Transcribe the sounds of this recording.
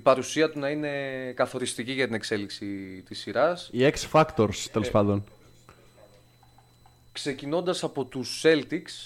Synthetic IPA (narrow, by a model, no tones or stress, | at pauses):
ipɐɾusiɐt̪unɐine̞kɐθo̞ɾist̪iciʝɐt̪ine̞kse̞liksit̪isːiɾɐsieksfɐkt̪oɾst̪ele̞spɐnd̪o̞n | kse̞cino̞nd̪ɐsɐpo̞t̪usːe̞lt̪iks